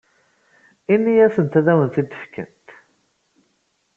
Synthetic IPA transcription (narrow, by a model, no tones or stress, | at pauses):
inːijæsənt̪æðæwənθid̪ə̥fkə̰nt̪